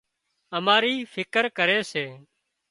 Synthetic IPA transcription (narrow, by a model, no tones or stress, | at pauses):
əmaːɾiːfʰɪkəɾkəɾeːseː